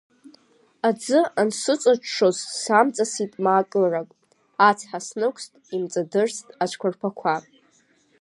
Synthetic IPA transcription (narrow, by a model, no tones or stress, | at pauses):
ad͡zɨansɨt͡sʷʼat͡ʃʰʂozsamt͡sʼasitʼmaːkʼɨlrakʼ | at͡sʰħasnɨkʷʰstʼimt͡sʼadɨrstʼat͡ʃʷʰkʷʰarpʰakʷʰa